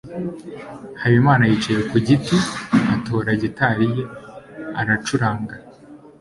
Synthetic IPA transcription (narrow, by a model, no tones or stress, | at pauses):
hajimaːnajiːt͡ʃajekuɟitiato̞ɾaɟetaɾije̞aɾat͡ʃuɾaːŋɡa